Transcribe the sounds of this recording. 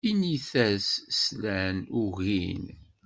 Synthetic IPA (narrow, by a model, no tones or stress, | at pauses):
iniθæsslænʊɣin